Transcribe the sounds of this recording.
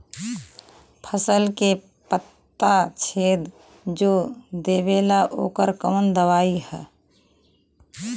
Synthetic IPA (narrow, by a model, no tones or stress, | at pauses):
pʰəsəlke | pət̪ːat͡ʃʰeːd̪ | d͡ʒoːd̪eːbeːlaʔo̰ːkəɾkəːnd̪əwaːihɛ̰ː